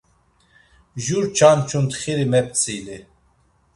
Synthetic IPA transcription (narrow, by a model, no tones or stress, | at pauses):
ʒuɾt͡ʃʰant͡ʃʰunt̪χiɾimɛp̚t͡sʰʼili